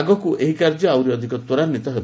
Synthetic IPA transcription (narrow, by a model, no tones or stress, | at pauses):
ɡɔkuʔeɦikaɾd͡ʒɔawɾiɔd̪ʱikɔt̪wɔɾaɾnit̪ɔɦeb